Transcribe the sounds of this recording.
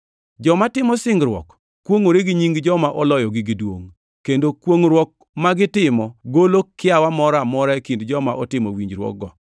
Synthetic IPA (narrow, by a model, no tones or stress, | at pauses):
d͡ʒɔmatɪmɔsɪŋɡɾwɔ̰k | kːwoŋoɾeɡiɲiŋɡd͡ʒɔmaʔɔlɔjɔɡɪɡidwo̰ŋ | kendokwoŋɾwɔk̚ | maɡɪtɪmɔɡolokːɪawamɔɾamɔɾaekindd͡ʒɔmaʔɔtɪmɔwiɲd͡ʒɾwɔ̰k̚ɡɔ